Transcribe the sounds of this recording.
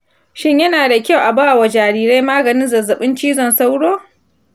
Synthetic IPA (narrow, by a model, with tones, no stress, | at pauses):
ʃɪ˦ɲjɐ˦naː˨da˨kʲa˦˨wʔa˨baː˦˨wa˨d͡ʒaː˨ɽiː˨ɾa˦jmaː˦ɡɐ˨nɪ˦nzɐ˨zɐ˨ɓɪ˦nt͡ʃiː˦zɔ˦˨nsa˦wɽoː˦